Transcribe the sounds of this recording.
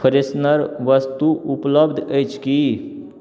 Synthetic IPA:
əɾesnəɾʋəst̪uupləbd̪ʱəjt͡ʃʰki

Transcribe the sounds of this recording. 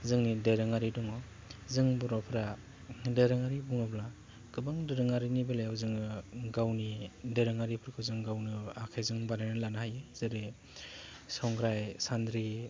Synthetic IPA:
zɯŋnideɾɯŋaɾidɔŋɔ | zɯŋbɔɾɔpʰɾa | deɾɯŋaɾibuŋɯbla | ɡ̥ɯbaŋdɯɾɯŋaɾinibelajawzɯŋɯɡawnideɾɯŋaɾipʰɯɾkʰɯzɯŋɡawnɯakʰajzɯŋbaɾanɯlanahajɯzɯɾi | sɔŋɡɾajsandɾi

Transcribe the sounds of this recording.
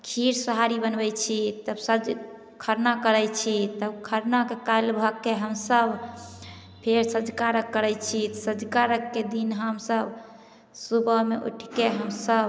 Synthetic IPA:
kʰiɾsəɦaɾibənbɛt͡ʃʰit̪əbsəd͡ʒ | kʰəɾnakəɾɛt͡ʃʰit̪əbkʰəɾnakekajlbʱəɡkːeɦəmsəbʱ | pʰeɾsəd͡ʒkaɾəkːəɾɛt͡ʃʰit̪səd͡ʒkaɾəkːed̪inɦəmsəb | subʱəmeʔṵʈʰkeɦəmsəb

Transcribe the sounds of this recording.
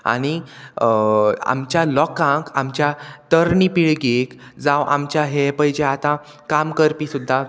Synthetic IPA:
a̰ɽ̃i | a̰mt͡ɕjalɔkãkamt͡ɕjat̪əɾɳipiɭɡek | d͡zaʋʔa̰mt͡ɕjaɦepəɦjd͡ʑeat̪ã | kamkəɾpisud̪ʱːa

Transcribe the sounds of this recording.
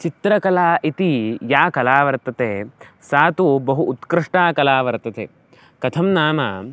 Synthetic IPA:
t͡ʃit̪ɾɐkɐlaːʔit̪ijaːkɐlaːʋɐɾt̪ɐt̪eːsaːt̪ubɐɦuʔːt̪kɾɪʂʈaːkɐlaːʋɐɾt̪ɐt̪ḛː | kɐt̪ʰɐmnaːmaː

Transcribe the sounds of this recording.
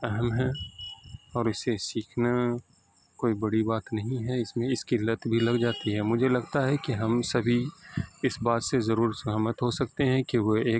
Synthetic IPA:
ɛɦəmɦɛ̃ | ɔːɾɪsesiːkʰna | koːibɐɽibaːt̪nɐɦĩɦɛɪsmẽɪskilət̪bʱilɐɡd͡ʒaːt̪iɦɛmʊd͡ʒʱelɐɡt̪aɦɛkiɦɐmsɐbʱiɪsbaːt̪sezɐɾuːɾsʊaːmət̪ɦosɐk̚t̪eɦɛ̃kiʋoeː

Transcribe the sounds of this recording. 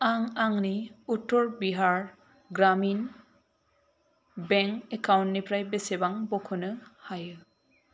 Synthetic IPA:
aŋaŋniutːɔɹbiɦaɹ | ɡɾamin | bɛŋkekawntnipʰɾajbesebaŋbɔkʰɯnɯhajɯ

